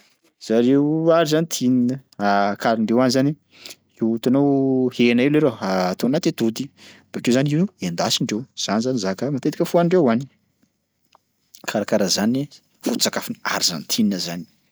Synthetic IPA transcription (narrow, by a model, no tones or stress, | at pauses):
z̥aɾeaɾizanit̪ʰininəakʰaɾiɳɖ͡ʐewanizani | iwut̪anowhenaileɾoaːt̪onat̪et̪ud̪ib̥ekewzaninuend̪asiɳɖ͡ʐewz̥anizanizakəmat̪et̪i̥kʲəfuaniɳɖ͡ʐewani̥ | kʰaɾakaɾazani | fut͡sakafinia̰ɾiza̰nit̪ʰininəzani̥